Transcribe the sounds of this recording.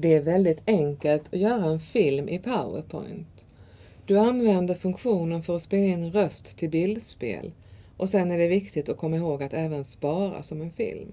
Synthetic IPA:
d̪ɛæɾvɛld̪ɪt̪ʰɛŋkəlt̪ʰɔjœːɾaɛnfɪlmʔɪpʰaʊə̰ɾpʰɔ̰jnt̪ | d̪̥ɵanvɛnd̪əɾfɵŋkɧuːnənfœɾɔspeːlaɪnːɾœst̪ːʰɪlbɪld̪spḛːl | ʔɔsɛnːæɖɛvɪkt̪ɪt̪ɔkʰɔmːaɪɦoːɡat̪ɛːvənspɑːɾa̰sɔmɛnfɪ̰lm

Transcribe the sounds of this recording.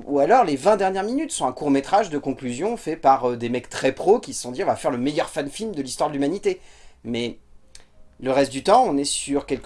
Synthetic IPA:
ualɔʁlevɛ̃d̪ɛʁnjɛʁminyt̪sɔ̃ɛ̃kuʁmet̪χaʒd̪əkɔ̃klyzjɔ̃fɛpaʁød̪emɛkt̪χɛpχokʲissɔ̃d̪iʁɔ̃vafɛʁləmejœʁfanfilmd̪əlist̪waʁd̪əlymanit̪emɛ | ləʁɛst̪̚d̪yt̪ɑ̃ɔ̃nɛsyʁkʲɛlk

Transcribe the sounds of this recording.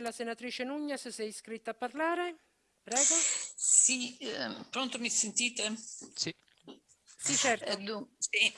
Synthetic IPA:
lasenat̪ɾiːt͡ʃenuɲːassɛjskɾit̪ːapːarlaːɾe | pɾɛːɡosipɾɔnt̪omisent̪iːt̪esi | sit͡ʃːɛɾt̪d̪usi

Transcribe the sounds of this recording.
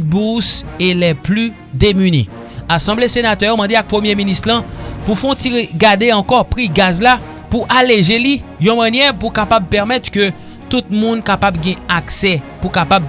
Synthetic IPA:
buselɛply | d̪emynḛ | asɑ̃blesenat̪œjomɑ̃d̪eak̚pχəmjeminist̪lãpufɔ̃tiʁeɡad̪eɑ̃kɔpʁiɡazla | puʔaleʒelijɔ̃manjɛʁpukapab̚pɛʁmɛt̪kø | t̪ut̪̚mũnkapabɡɛ̃aksɛpukapab̚

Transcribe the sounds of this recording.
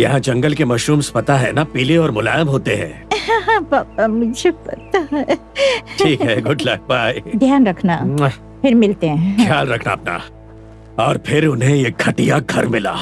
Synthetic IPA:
jɐɦãd͡ʒɐ̃ŋɡəlkemɐʃɾuːmspɐt̪aɦɛnapiːleɔːɾmʊla̰ːjə̃mɦoːt̪eɦɛ̰̃ː | ãɦãpaːpamʊd͡ʒʱepɐ̰t̪aɦɛ | ʈiːkɦɛɡʱʊʈʰlaːbʱaːid̪ʱjaːnɾɐkʰna | pʰɪɾmɪlt̪eɦɛ̃kʰjaːlɾɐkʰna̰ːp̚na̰ | ɔːɾpʰɪɾʊnɦẽjekʰɐʈijaɡʱɐɾmɪla̰ː

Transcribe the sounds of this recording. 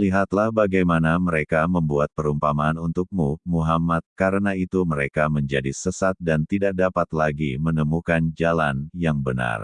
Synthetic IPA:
liɦat̪lahbaɡajmanaməɾekaməmbuat̪̚pəɾumpamaːnunt̪ʊk̚mumuɦamat̪̚kaɾənait̪uməɾekaməɲd͡ʒadisəsat̪̚dant̪idak̚dapat̪laɡimənəmukand͡ʒalanjaŋbəna̰r

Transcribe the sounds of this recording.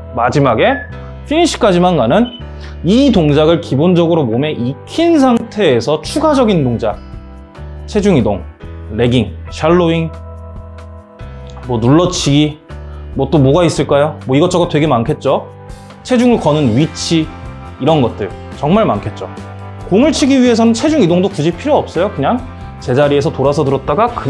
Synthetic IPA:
mad͡ʑimaɡe̞ | pʰiiɕʰi̥k͈ad͡ʑimanɡanɯn | itoŋd͡ʑaɡɯɭkibond͡ʑʌɡɯɾomomjeʔikʰins̬ʰaŋtʰe̞ːsʰʌt͡ɕʰuɡad͡ʑʌɡindoŋd͡ʑa | t͡ɕʰe̞d͡ʑuŋidoŋle̞ɡiŋɕʰaɭːoiŋ | mʌnuɭːʌt͡ɕʰiɡimwʌt͈omoɡais͈ɯɭk͈ajomwʌiɡʌt͡ɕ͈ʌɡatwe̞ɡe̞mankʰe̞t̚t͡ɕ͈o | t͡ɕʰe̞d͡ʑuŋɯɭkʌnɯnɥit͡ɕʰiː | ɾʌnɡʌt̚t͈ɯɭt͡ɕʌŋmaɭmankʰet̚t͡ɕ͈o | koŋɯɭt͡ɕʰiɡiɥiɦe̞s̬ʰʌnɯnt͡ɕʰe̞d͡ʑuŋidoŋdokud͡ʑipʰiɾjoʌp̚s͈ʌjokɯɲaŋ | t͡ɕe̞d͡ʑaɾie̞sʰʌtoɾasʰʌtɯɾʌt̚t͈aɡakɯ

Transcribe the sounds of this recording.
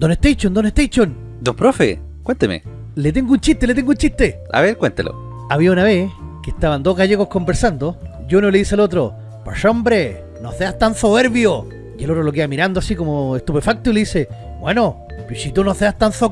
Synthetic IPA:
d̪oneht̪ejt͡ʃond̪oneht̪ejt͡ʃon | d̪opɾofḛ | kwent̪emḛ | let̪̬eŋɡount͡ʃiht̪e̞let̪̬eŋɡount͡ʃiht̪e | a̰βeɾkwent̪elo̰ | aβiaunaβekeht̪aβand̪oɣaʝeɣohko̞mbeɾsand̪o | ʝonoleisealot̪ɾo̰ | poʃombɾe | noθeast̪anθoβeɾβjo | jelot̪ɾolok̬eamiɾand̪oasikomoest̪upe̞fak̚t̪oileise | bweno | posit̪unoseast̪anθo

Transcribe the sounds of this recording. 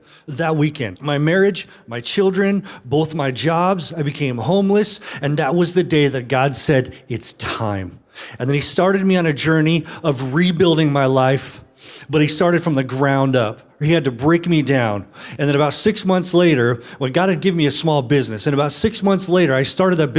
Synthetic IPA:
ðɨt̚wikʰɛ̰̃nd̚maɪmɛɹɪd͡ʒ | maɪt͡ʃʰɪlˠdɹɨ̃nboʊθmaɪd͡ʒɑbzaɪbɨkʰẽɪ̃mhõʊ̃mləsɨ̃nðɨt̚wʌzðɨdeɪðɨt̚ɡ̥ɑdsɛɾɨtstʰã̰ɪ̃m | ɨ̃nðɨ̃nistɑɹɾɨd̚miɨ̃ñɨd͡ʒɜ˞niʌvɹibɪlˠdɪ̃ŋmaɪlaɪfb̥ʌt̚istɑɹɾɨd̥fɹʌ̃mðɨɡɹãʊ̃ndʌp | hiɨd̚tɨbɹeɪkmidãʊ̃nɨ̃nðɨ̃nɨbaʊtsɪksmʌ̃nθsleɪɾə˞wə̃nɡɑd̚ɨd̚ɡɪvnmiɨsmɔlˠbɪznɨsɨ̃ñɨbaʊtsɪksmʌ̃nθsleɪɾə˞aɪstɑɹɾɨd̪̚ðɨt̚b̥

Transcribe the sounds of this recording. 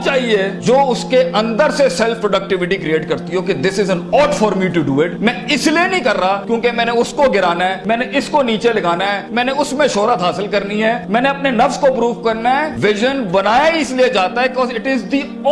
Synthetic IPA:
t͡ʃaːɦied͡ʒoːʊskeɐ̃nd̪əɾsesɛlfpɾoːɖək̚ʈɪʋɪʈikɾieːʈkɐɾt̪iɦoked̪ɪsɪzə̃nɔːɖfɔːɾmiʈuɖuːɪʈmɛ̃ːɪslienɐĩkɐɾːakjõːkemɛ̃ːneʊskoɡɪɾaːnaɦɛːmɛ̃ːneʔɪskoniːt͡ʃelɐɡaːnaɦɛːmɛ̃ːneʊsmẽʃoːɾət̪ɦaːsɪlkɐɾniɦɛmɛ̃ːneɐpnenɐfskopɾuːʋkɐɾnaɦɛʋɪʒənbɐnaːjaɪslied͡ʒaːt̪aɦɛkkɔːzɪʈɪzd̪i

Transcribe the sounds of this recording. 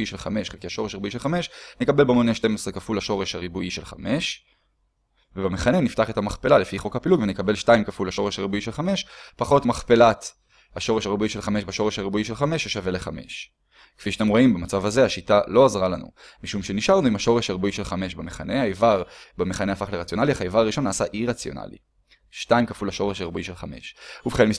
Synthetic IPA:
iʃelχame̞ʃkiaʃo̞ʁeʃaʁibuiʃelχame̞ʃnekabe̞lbmoneʃte̞mesʁekafulaʃo̞ʁeʃaʁibuʔiʃelχa̰me̞ʃ | vebemeχane̞niftaχe̞t̪amaχpe̞lalefiχo̞khapiluɡvenekabe̞lʃtaimkafulhaʃo̞ʁeʃhaʁibuiʃe̞lχame̞ʃpaχo̞tmaχpe̞lat̪ | haʃo̞ʁeʃaʁibuiʃe̞lχameʃbaʃo̞ʁeʃhaʁibuiʃelχame̞ʃeʃave̞leχame̞̰ʃ | kfiʃat̪emʁo̞imbemat͡savazeaʃitalo̞azʁalanṵmiʃumʃe̞niʃaʁnuimaʃo̞ʁeʃaʁbuiʃelχame̞ʃbameχane̞hajvaʁbemeχane̞afaχleʁat͡sjo̞naliaχajvaʁːiʃo̞nːaːsaʔiʁat͡sjo̞̰na̰lḭ | ʃtaimkafulaʃo̞ʁeʃaʁbuiʃelχame̞̰ʃubeχenmis

